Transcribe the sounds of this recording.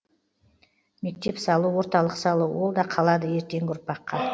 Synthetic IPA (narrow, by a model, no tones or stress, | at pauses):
me̞k̚t̪e̞psɑlˠuwo̞ɾt̪ɑlˠəqsɑlˠuwo̞lˠd̪ɑqʰɑlˠɑd̪əje̞ɾt̪e̞ŋɡʊɾpɑqːɑ